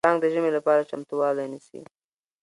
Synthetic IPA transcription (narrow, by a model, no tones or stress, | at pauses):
ɑŋɡd̪əʒəmelapɑɾat͡ʃamt̪uwɑlanisḭ